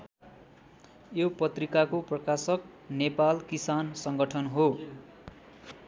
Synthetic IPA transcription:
jopʌt̪rikakoprʌkasʌk̚nepalkisansʌŋɡʌʈʰʌnɦo

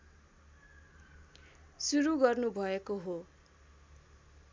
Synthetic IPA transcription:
suɾuɡʌrnubʱʌekoɦo

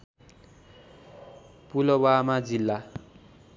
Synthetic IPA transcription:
pulʌwamad͡zilːa

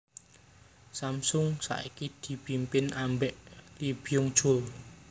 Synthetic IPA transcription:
samsʊŋsa̰ʔikid̪̥i̤pimpɪnambɛʔlib̥i̤jʊŋd̥ʒ̥ʊ̤l

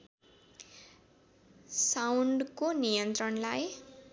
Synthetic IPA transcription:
sawɳɖkonijʌnt̪rʌnlaj

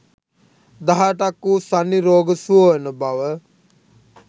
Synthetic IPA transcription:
d̪aɦaʈakːusanːiɾoːɡəsuoʋenəbaʋə

